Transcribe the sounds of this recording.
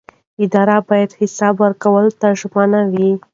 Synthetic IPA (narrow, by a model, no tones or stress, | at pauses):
ɪd̪ɑɾabɑjad̪hɪsɑbwəɾkawəlot̪aʒmanawi